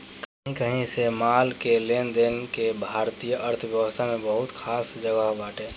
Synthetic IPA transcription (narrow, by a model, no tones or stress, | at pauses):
kəɦĩkəɦĩsemaːlkeleːnd̪eːnkebʱaːɾt̪ijəʔəɾt̪ʰəʋjəʋəst̪ʰamẽbəɦʊt̪kʰaːsd͡ʒəɡəɦbaːʈẽː